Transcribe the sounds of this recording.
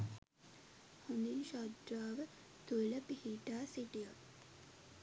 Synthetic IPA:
hund̪inʃad̪ɾaːʋə | t̪ueləpihiʈaːsiʈijak

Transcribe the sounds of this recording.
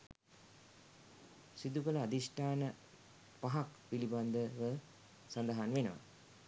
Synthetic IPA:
sid̪ukələad̪isʈaːnə | paɦakpiliband̪əʋə | sand̪aɦanʋenəʋa̰

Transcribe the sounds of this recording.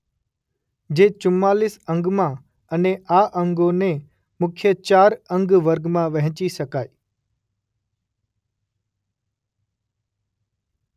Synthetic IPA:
d͡ʑeːt͡ʃʊmaːlɪsə̃ŋɡmãː | əneaːʔə̃ŋɡõne | mʊkʰjət͡ʃaːɾə̃ŋɡʋəɾɡmãʋɐɦɪ̃t͡ʃisəkaːiː

